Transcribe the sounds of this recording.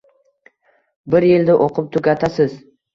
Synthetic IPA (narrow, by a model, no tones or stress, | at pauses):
bɪɾjɪld̪aʔoqʰʊp̚t̪ʰʊɡʲat̪ʰasɪz